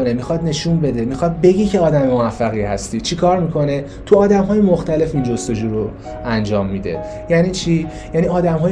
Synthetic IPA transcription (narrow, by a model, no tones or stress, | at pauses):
onemixɒːd̪ne̞ʃuːnbe̞d̪e̞mixɒːd̪̚be̞ɟicʰe̞ɒːd̪æmemoæfːæɣiːhæst̪iːt͡ʃʰikʰɒːɾmiːkʰo̞ne̞ | t̪ʰuɒːd̪æmɦɒːjemoxt̪æle̞find͡ʒo̞st̪o̞d͡ʒuːɾo | ænd͡ʒɒːmːid̪e̞̰ | jæniːt͡ʃʰiː | jæːniɒːd̪æmɦɒːj